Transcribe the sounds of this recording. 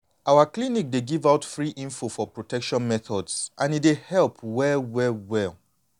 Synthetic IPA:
ʔawaklinik̚deɡivaʊtfɹiʔĩɱfofɔpɹotʰɛkʃɔ̃nmɛθɔdsʔãnitdehɛlˠpʰwɛwɛwɛlˠ

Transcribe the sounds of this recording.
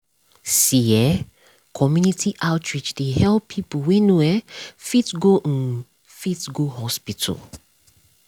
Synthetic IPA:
siɛ | kʰɔmjunitʰiʔaʊtʰɹit͡ʃdehɛlpʰːipuwenõɛfitɡon̩ | fitɡohɔspitʰɔ̰

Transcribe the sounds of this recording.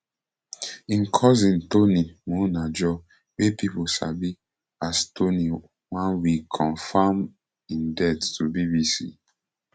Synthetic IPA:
ĩnkʰɔzĩntonimonad͡ʒɔ | wepipusa̰bi | astʰoni | wãnwikʰɔ̃nfam | ĩndɛttubibisḭ

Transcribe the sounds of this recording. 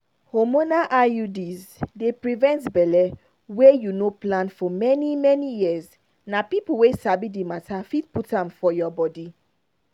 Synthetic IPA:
homonaʔaudizdepɹivɛ̃ntbɛlɛ | wejunoplãnfɔmɛnimɛnijiəz | napipul̩wesabidimatafit̚putãmfɔjɔbɔdi

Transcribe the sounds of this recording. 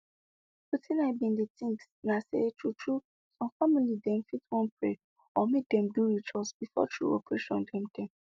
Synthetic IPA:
putʰĩnaɪbĩnditĩŋksnasḛtɹutʰɹu | sɔ̃mfamilidɛ̃mfitwɔ̃npɹe | ɔmek̚dɛ̃mduɹit͡ʃɔsb̥ifɔ̰tʰɹṵopɹeʃɔ̃ndɛ̃mdɛ̃m

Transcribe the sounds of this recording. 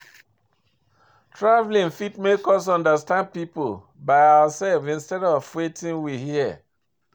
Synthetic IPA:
tʰɹavlĩnfitmekɔs̬ɔ̃ndəstãnd̚pipol | baɪawasɛlvĩnstɛɾɔvwetĩnwihiɛ

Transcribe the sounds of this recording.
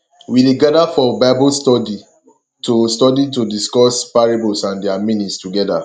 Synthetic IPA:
wideɡadafɔbaɪbɔlstɔdi | tustɔditudiskɔspaɹabɔlsãndɛamĩnĩtstuɡɛda̰

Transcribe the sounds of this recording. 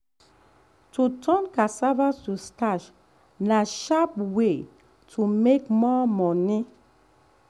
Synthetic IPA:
tʰutʰɔ̃nkasavasustaʃ | naʃapwe | tʰumekmɔmɔni

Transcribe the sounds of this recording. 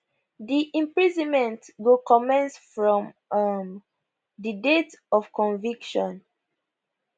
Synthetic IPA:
diʔĩmpɹizɔ̃nmɛ̃ntɡokɔmɛ̃nsfɹɔ̃m | m | didetɔfkɔ̃nvikʃɔ̃n

